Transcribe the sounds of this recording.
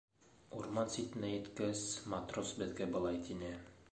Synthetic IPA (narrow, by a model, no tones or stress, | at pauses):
uɾmɑnsit̪ɘ̆næjɘ̆t̪kæsmat̪rosbɘ̆ðɡæbɤ̆lˠɑjt̪inɘ